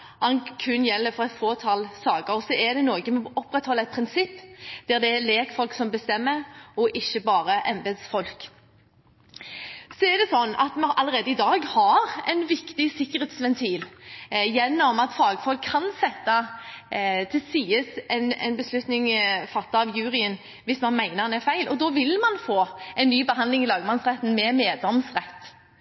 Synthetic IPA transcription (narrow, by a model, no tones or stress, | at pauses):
hɑnkʰʉnːjɛlːəfɔʁɛt̪foːt̪ʰɑlsɑːɡəɾɔsɔæd̪ɛnoːɡəmɛɔpːɾɛt̪hɔlːəɛt̪̚pʰɾɪnsɪpːd̪̥æʁd̪ɛæɾleːkfɔlksɔmbəst̪ɛmːəɾɔʔɪçːəbɑːɾəʔɛmbeːd̪sfɔlk | sɔɛɾd̪ɛsɔnːɑ̰t̪mɛɑləɾʁeːd̪əɪd̪ɑːɡhɑɾɛ̰ɪnʋɪkt̪ɪsɪkːəɾheːt̪sʋɛnt̪ʰiːljɛnːɔmɑt̪fɑːɡəfɔlkʰːɑnsɛt̪ːɑ | t̪ʰɪlsiːəsɛnɛ̰nbəslʉt̪nɪŋfɑt̪ːɑɑʋjʉːʁɪən | ʋɪsmɑnmæɪnəʁnɛfæɪlʔɔd̪ɔʋɪlmɑnfoːɛɪnːyːbəɦɑnd̪lɪŋɪlɑːɡmɑnsʁɛt̪ːn̩mɛmeːd̪ɔmsʁɛt̪ː